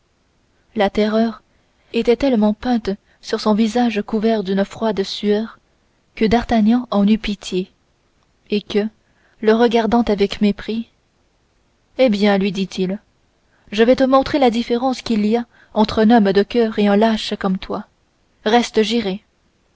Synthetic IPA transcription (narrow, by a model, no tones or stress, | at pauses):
lat̪ɛʁœːʁ | et̪ɛt̪ɛlmɑ̃pɛ̃t̪ | syʁsɔ̃vizaʒkuvɛʁd̪ynəfχwad̪syœːʁ | kəd̪aʁt̪aɲɑ̃ʔɑ̃nypit̪ʰje | ekə | ləʁəɡaʁd̪ɑ̃t̪avɛkmepχi | ebjɛ̃lɥid̪it̪ʰil | ʒəvɛt̪əmɔ̃t̪χelad̪ifeʁɑ̃skʲilia | ɑ̃t̪χɛ̃nɔmd̪əkʲœːʁeɛ̃laʃkɔmt̪wa | ʁɛst̪əʒiʁe